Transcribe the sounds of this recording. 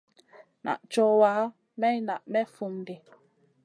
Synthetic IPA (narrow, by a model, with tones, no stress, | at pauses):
na̰˨ʔt͡ʃɔ˦waː˨˦ | mɛ˦na˨ʔmɛ˦fu˨ŋde˨